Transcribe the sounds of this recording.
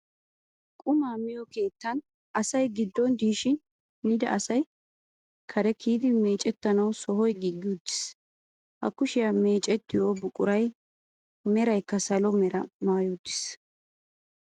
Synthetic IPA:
kʼʊmaːmɪjɔke̞ːt̪ːɐn | ʔɐsɐjɡɪd̪ːɔnd̪iːʃɪn | nɪd̪ɐ̰ʔɐsɐj | kʰɐɾɛkʰiːd̪ɪme̞ːt͡ʃʼɛt̪ːɐnɐwsɔɦɔjɡɪɡːɪʊd̪ːɪ̥s | hɐ̰kːʊʃɪjame̞ːt͡ʃʼɛt̪ːɪjoːbʊkʼʊɾɐj | mɛɾɐjkːɐsɐlɔmɛɾɐmaːjʊd̪ːɪ̥s

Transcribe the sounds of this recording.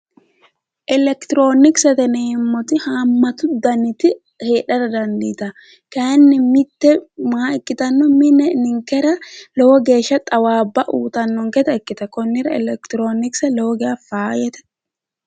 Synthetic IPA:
ʔɛlɛkt̪ɪɾoːnɪksɛt̪ɛneːmːɔt̪ɪhaːmːɐt̪ʊd̪ɐnɪt̪ɪ | heːᶑɐɾɐd̪ɐnd̪iːt̪ɐ | kaːnːɪmɪt̪ːɛmaɛkːɪt̪ɐnːɔmɪnɛnɪŋkɛɾɐlɔwɔɡe̞ːʃːɐt̪ʼɐwaːbːɐʔuːt̪ɐnːɔŋkɛt̪ɐɛkːɪt̪ɐkɔnːɪɾɐɛ̰lɛkt̪ɪɾoːnɪksɛlowɔɡeɐfaːjɛt̪ɛ̥

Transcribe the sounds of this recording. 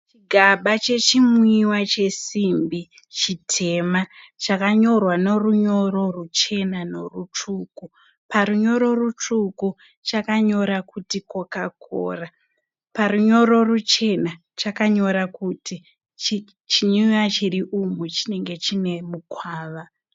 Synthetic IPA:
t͡ʃiɡʱaɓat͡ʃe̞t͡ʃimwiwat͡ʃe̞simbi | t͡ʃitʰe̞ma | t͡ʃakaɲo̞rwano̞ruɲo̞ro̞rut͡ʃe̞nano̞rut͡ʂuku | paɾuɲo̞ɾo̞rut͡ʂuku | t͡ʃakaɲo̞ɾakutikokakʰo̰ːra | paruɲo̞ɾo̞rut͡ʃe̞na | t͡ʃakaɲo̞ɾakuti | t͡ʃi | t͡ʃiɲujat͡ʃiriʔumut͡ʃine̞ŋɡe̞t͡ʃine̞mukwaːʋa

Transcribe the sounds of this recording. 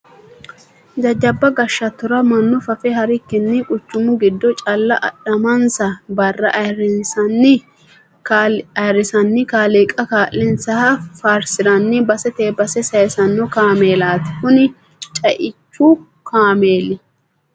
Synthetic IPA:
d̪ɐd͡ʒɐbːɐɡɐʃːɐt̪ːʊɾɐmɐnːʊfɐfɛɦɐɾɪkːɪnːɪkʼʊt͡ʃːʊmʊɡɪd̪ːɔt͡ʃʼɐlːɐʔɐ̰ɗɐmɐnsɐbɐrːɐʔɐjɾɪnsɐnːɪ | kːɐjɾɪsɐnːɪkaːleːkʼɐkaːʔːɪnsɐhɐfaːɾsɪɾɐnːɪbɐsɛt̪eːbɐsɛsɐjsɐnːɔkaːmeːlaːt̪ɪ̥kʊnɪ | t͡ʃʼɐʔɪt͡ʃːu | kʰaːmeːlːɪ

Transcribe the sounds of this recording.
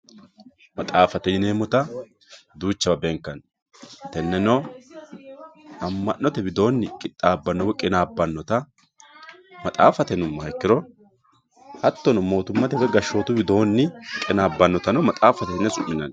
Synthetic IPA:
mɐt̪ʼaːfɐt̪ɛjɪneːmɔt̪ɐ | d̪uːt͡ʃːɐbɐbɛŋkːɐn | t̪ɛnːɛnɔ | ɐmːɐnːɔt̪ɛbɪd̪o̞ːnːɪkʼɪt̪ʼːaːbːɐnːɔwkʼɪnaːbːɐnːɔt̪ɐ | mɐt̪ʼa̰ːfɐt̪ɛnʊmːɐhɐkːɪɾɔ | hɐt̪ːɔnɔmo̞ːt̪ʊmːɐt̪ɛfɛɡɐʃːo̞ːt̪ʊbɪd̪o̞ːnːɪkʼɪnaːbːɐnːɔt̪ɐnɔmɐt̪ʼaːfɐt̪ɛnːɛsʼʊʔːɪnɐn

